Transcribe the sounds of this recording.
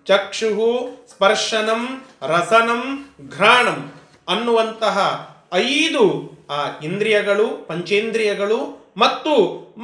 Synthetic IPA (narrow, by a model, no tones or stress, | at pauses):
t͡ʃɐkʂuɦuspɐɾʂɐnɐmɾɐsɐnɐmɡʱɾaːɳɐm | ɐnːuʋɐnt̪ɐɦɐɐjd̪uaːind̪ɾijɐɡɐɭupɐɲt͡ʃeːnd̪ɾijɐɡɐɭumɐt̪ːu